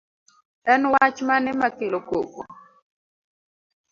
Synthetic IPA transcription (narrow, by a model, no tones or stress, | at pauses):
ɛnwat͡ʃmanɛmakelokokɔ̰